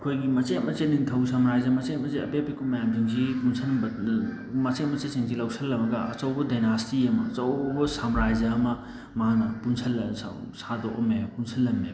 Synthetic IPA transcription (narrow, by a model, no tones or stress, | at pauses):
kʰojɡimɐt͡ʃemɐseniŋtʰɐwsamɾajzɐmɐt͡ʃemɐseɐ̰pepikʰumɐjamtiŋzipunsʰɐnbɐ | mɐt͡ʃemɐt͡ʃesiŋzilɐwsʰɐlːɐmɐɡɐʔɐt͡ʃɐwbɐdɐjnastiɐmɐɐt͡ʃɐwbɐsamɾajzɐːmɐ | maanɐpunsʰɐlsa̰ | sadoʔɐ̰mepunsʰɐlːɐmːe